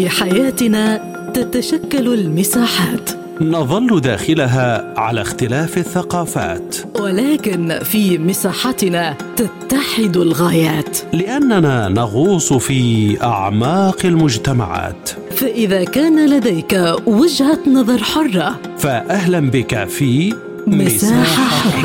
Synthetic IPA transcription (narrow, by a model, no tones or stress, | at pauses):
fiːħajaːt̪ɪnaː | t̪at̪aʃakːalalmɪsaːħaːt̪ | nɑðˤɑlːd̪a̰ːxɪlaɦaːʕa̰la̰xt̪ɪlaːfaθːaqɑːfa̰ːt̪walaːkɪnfiːmɪsaːħat̪ɪnaː | t̪at̪ːaħɪd̪alɣaːjaːt̪lɪʔanːanaːnɑɣuːsˤfiːʔa̰ʕmɑːqɪlmʊd͡ʒt̪ama̰ʕa̰ːt̪ | faʔɪðaːkaːnalad̪ajkawad͡ʒhanɑðˤɑɾˤħʊrˤːɑ | faʔahlambɪkafiː | mɪsaːħaħʊrˤːɑ